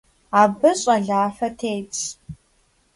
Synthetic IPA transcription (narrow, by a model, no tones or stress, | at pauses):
abɨɕʼaɮaːfɐtʰejt͡sʼ